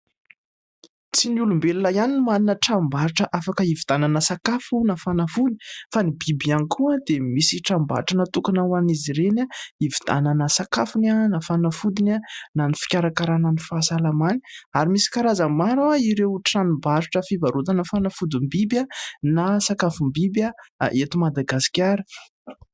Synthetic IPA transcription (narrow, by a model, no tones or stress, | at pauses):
t͡sinulumbelulajanimaninəʈ͡ʂambaɾiʈ͡ʂəʔafakəivid̪̥ananəsakafunafanafuni̥fanibibianikʰuad̪emisiʈ͡ʂamba̰ɾiʈ͡ʂənat̪ukanawaniziɾenaivid̪̥a̰nanəsakafunanafanafud̪inananifi̥kʲaɾakaɾananifasalamani̥aɾimisi̥kaɾazəmaɾawaiɾewʈ͡ʂanibaɾiʈ͡ʂəfivaɾut̪ənafanafud̪imbibjanasakafumbibja̰ʔet̪umad̪aɡasi̥kʲaɾə̥